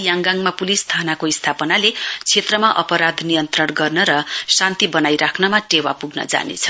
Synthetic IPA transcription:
jaŋɡaŋmapulist̪ʰanakoist̪ʰapʌnalet͡sʰet̪rʌmaʔʌpʌɾad̪ʱnijʌnt̪rʌrɡʌrnʌɾʌsant̪ibʌnajɾakʰnʌmaʈewapuɡnʌ̰d͡za̰nḛt͡sʰʌ̥

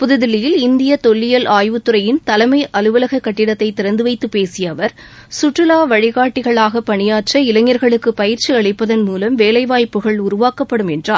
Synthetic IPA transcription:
pʊðɯðɪlːɪjɪlɪnd̪ɪjɐt̪ɔɭːɪjɐlʔaːjʋɯt̪ːɯɾɐjɪnt̪ɐlɐmɐɪʔɐlɯʋɐlɐɣɐkːɐʈːɪɽɐt̪ːɐɪt̪ːɪɾɐnd̪ɯʋɐɪt̪ːɯpːeːsɪjɐʋɐɾ | sʊʈrːɯlaːʋɐɻɪɣaːʈːɪɣɐɭaːɣɐpːɐɳɪjaːʈrɐɪlɐŋːjɐɾɣɐɭɯkːɯpɐjɪɾt͡ʃiɐɭɐɪpːɐðɐnmuːlɐmʋeːlɐɪʋaːjpːɯɣɐɭʊɾʊʋaːkɐpːɐɽɯmɛndraː

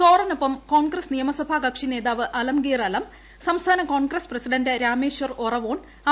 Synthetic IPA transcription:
soːrɐnupːɐmko̞ːɳɡrɐsnijɐmɐsɐbʱaɡɐkʂine̞ːðaːʋɨʔɐlɐmɡeːrɐlɐm | sɐmst̪ʰaːnɐkoːɳɡrɐsprɐsiɖɐndɨɾaːmeːɕʋɐrorɐʋoːn | ɐ

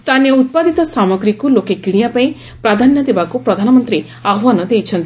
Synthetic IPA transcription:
st̪ʰanijɔut̪̚pad̪it̪ɔsamɔɡɾikulokekiɽ̃ijapaĩ | pɾad̪ʱanjɔd̪ebakupɾɔd̪ʱanɔmɔnt̪ɾi | abwanɔd̪ejt͡ʃʰɔnt̪i

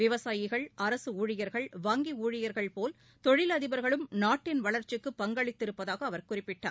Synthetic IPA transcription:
ʋɪʋɐsaːjɪɣɐɭʔɐɾɐsɯuːɻɪjɐɾɣɐɭʋɐːŋɡiuːɻɪjɐɾɣɐɭpoːl | t̪ɔɻɪlɐðɪbɐɾɣɐɭɯmnaːʈːɪnʋɐɭɐɾt͡ʃɯkːɯpːɐŋɡɐɭɪt̪ːɪɾɯpːɐðaːɣɐːʋɐɾkʊrɪpːɪʈːa̰ːɾ

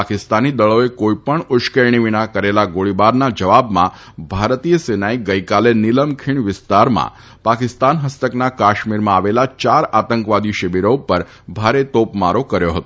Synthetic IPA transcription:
akɪst̪anid̪əɭoekoipəɳʊʃkəɾɳiʋiñakəɾelaɡoɭibaɾnad͡ʒəʋabmã̰ | bʱaɾt̪ijəsenaiɡəikalenɪləmkʰiɳʋɪst̪aɾmã̰ | pakɪst̪anɦəst̪əknakaʃmiɾmãaʋelat͡ʃaɾat̪əŋkʋad̪iʃəbiɾopəɾ | bʱaɾet̪opmaɾokəɾjoɦət̪o

